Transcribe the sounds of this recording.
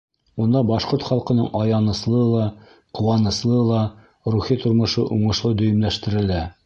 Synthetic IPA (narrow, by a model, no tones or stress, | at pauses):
und̪ɑbɑʃqoɾt̪χɑlˠqɤ̆nɤɴʔɒjɑnɤ̆slˠɤlˠɑ | qŭwɑnɤ̆slˠɤlˠɑ | ɾuχit̪ŏɾmŏʃɤʔuɴɤ̆ʃlˠɤd̪ɵ̆jɘ̆mlæʃt̪ɘ̆ɾɘ̆læ